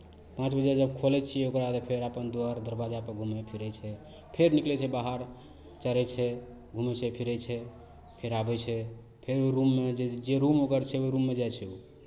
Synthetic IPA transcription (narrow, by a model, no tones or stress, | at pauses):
pãt͡ʃbəd͡ʒad͡ʒəb̚kʰolɛt͡ʃʰiokɾad̪əpʰeɾapənd̪oaɾd̪əɾbad͡ʒapəɾɡʱumɛpʰiɾɛt͡ʃʰɛ | pʰeɾniklɛt͡ʃʰɛbaɦaɾ | t͡ʃəɾɛt͡ʃʰɛ | ɡʱumɛt͡ʃʰɛpʰiɾɛjt͡ʃʰɛ | pʰeɾabɛt͡ʃʰɛ | pʰeɾoɾumːed͡ʒed͡ʒeɾumokəɾt͡ʃʰɛoɾumːed͡ʒajt͡ʃʰɛo